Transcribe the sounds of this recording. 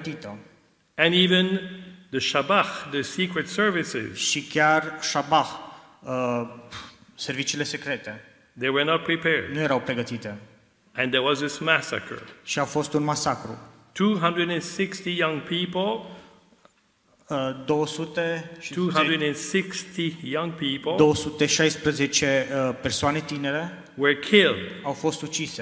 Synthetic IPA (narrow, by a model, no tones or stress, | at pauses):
t̪it̪ə | ɨ̃nivɨ̃nðəʃabaxðəsikɹɨtsɜ˞vɪsɪ̰z̥ʃikʲjarʃabax | ə | servit͡ʃiːle̞sekɾet̪e | ðeɪwə˞nət̚pʰɹipʰɛɹdnujeɾawpɾeɡət̪it̪e | ɨ̃nðəwʌzðɪsmæsə̰kʰə̰˞ʃiawfo̞st̪unmasakɾṵ | tʰuɦʌ̃ndɹɨdɨ̃nsɪkstijʌ̃ŋpʰipl̩ˠ | d̪o̞wəsut̪e̞ʃitʰuhʌ̃ndɹɨdɛ̃nsɪkstijʌ̃ŋpʰipl̩ˠd̪o̞wəsut̪e̞ʃajspɾəze̞t͡ʃe̞persoane̞t̪ine̞ɾe̞ | wə˞kʰɪlˠdawfo̞st̪ut͡ʃise